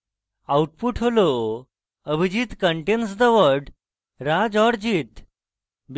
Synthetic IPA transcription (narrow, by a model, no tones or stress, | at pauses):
awʈ̚puːʈʰɦolo | əbʱid͡ʑiːt̪kəɳʈensd̪əʋəɾɖ | ɾad͡zɔɽd͡ʑiːt̪ | b